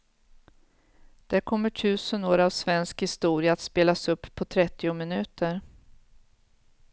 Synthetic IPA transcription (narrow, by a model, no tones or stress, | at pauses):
d̪̥æɾkʰɔmːəʈʰʉ̟ːsənoːɾavsvɛnskhɪst̪uːɾɪjaːt̪speːlasɵpːʰɔt̪ʰɾɛt̪ːɪʊmɪnʉ̟ːt̪ʰəɾ